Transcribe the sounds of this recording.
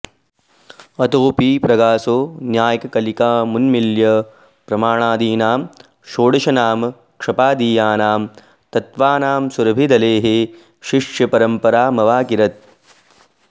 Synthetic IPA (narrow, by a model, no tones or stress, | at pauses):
ɐt̪oːpiːpɾɐɡaːsoːnjaːjɐkɐkɐlikaːmunmiljɐ | pɾɐmaːɳaːd̪iːnaːm | ʃoːɽɐʃɐnaːm | kʂɐpaːd̪iːjaːnaːm | t̪ɐt̪ʋaːnaːmsuɾɐbʱid̪ɐleːɦe | ʃiʂjɐpɐɾɐmpɐɾaːmɐʋaːkiɾɐt̪̚